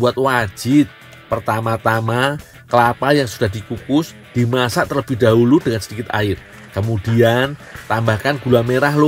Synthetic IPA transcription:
buat̪̚wḁd͡ʒ̥ɪt̪̚ | pərt̪amat̪ama | kəlapajaŋsud̥ahd̥ikukʊs | d̥imasaʔt̪ələb̥id̥aɦulud̥əŋansəd̥ikɪt̪a̰ɪr | kəmud̥iant̪ambahkanɡ̥ulameɾahlo

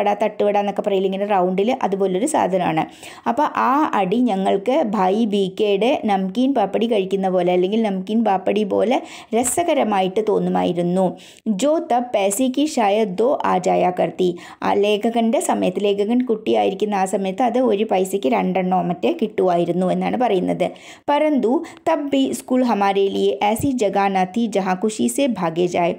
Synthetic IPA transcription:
ɐɽaːt̪ːɐʈːuʋɐɽaːnːokːeprɐjiliŋːɐnerɐwɳɖilʔɐ̰ðubo̞ːleoɾusa̰ːd̪ʱɐnɐma̰ːɳɨ | ɐpːoːʔaːɐɽiɲɐŋːɐɭkɨbʱaːjibiːkːeːɽɨnɐmkinpaːpːɐɽikɐɻikʲːunːɐpo̞ːle̞ɐlːe̞ŋɡilnɐmkʲːiːnpaːpːɐɽipo̞̰ːle̞ | ɾesɐɣɐɾɐmaːjiʈːɨt̪o̞ːnːuma̰ːjiɾunːu | d͡ʑoːt̪ːɐpeːsikːiɕaːjɐd̪oːʔa̰ːd͡ʒaːjakɐɾt̪i | a̰ːleːɡɐɡɐɳɖesɐmeːt̪leːɡɐɡɐɳɖ̚kʊʈːia̰ːiɾikːind̪aːsɐmeːt̪ɐd̪eoːɾipɐɪsekeɾɐɳɖɐnːɔːmɐtːekɪʈːuaːiɾɐnd̪ũẽnd̪aːnpɐɾiːnd̪ɐd̪ɛ | pɐɾənt̪ut̪ɐbːiskuːlɦɐmaːɾelieʔɛːsid͡ʒɐɡaːnat̪ʰid͡ʒɐɦãkʰʊʃisebʱaːɡed͡ʒaːe

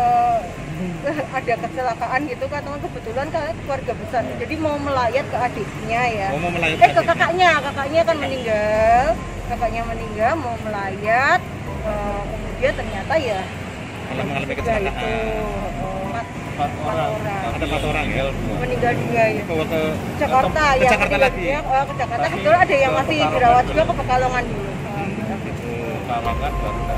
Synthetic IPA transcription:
ə | əada̤kət͡ʃəlakaʔanɡit̪ukat̪əŋankəbət̪ulankaakluwarɡapəsand͡ʒadimauməlajat̪̚kəad̥at̪̚ɲajaaməlajat̪ɛkəkakaʔɲakakaʔɲakanməniŋɡal | kakaʔɲaməniŋɡalmauməlajat̪̚ | əːkəmudiant̪ərɲat̪aja | lbɡait̪u | oat̪ | kat̪oɾaŋat̪ɾaŋməniŋɡald͡ʒuɡajaəd͡ʒakart̪ajakat̪iɡabiɲakəkəd͡ʒakarakət̪uladajaŋmasɪbəɾawat̪̚d͡ʒuɡakəpəkaloŋanduluka | aɾait̪u

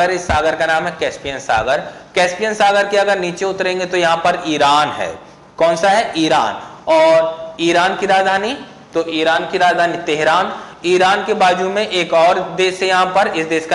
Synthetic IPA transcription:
əɾɪsːaːɡəɾkanaːmɦɛkɛːspijənsa̰ːɡəɾkɛːspijənsaːɡəɾkeɐɡəɾniːt͡ʃeʊt̪ɾẽːŋɡet̪ojɐɦãpɐɾiːɾaːnɦɛ̰ː | kɔːnsaɦɛʔiːɾa̰ːn | ɔːɾiːɾaːnkiɾaːd͡ʒd̪ʱaːni | t̪oʔiːɾaːnkiɾaːd͡ʒd̪ʱaːnit̪eɦɾaːniːɾaːnkebaːd͡ʒumẽʔeːkɔːɾd̪eːʃejɐɦãpɐɾɪsd̪eːʃka

